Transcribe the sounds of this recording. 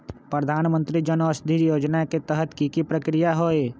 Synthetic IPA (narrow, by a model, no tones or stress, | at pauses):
pɾəd̪ʱaːnmə̃nt̪ɾid͡ʒənɔːsd̪ʱiɾjoːd͡ʒnaket̪ɛɦət̪kikipɾəkɾijaɦoːe